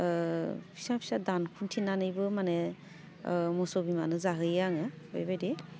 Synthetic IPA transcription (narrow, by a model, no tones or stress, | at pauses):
pʰi̥sapʰi̥sadankʰuntʰinanɯjbɯmane | mɔsɔbimanɯzaɦɯjaŋɯ | bajbajdi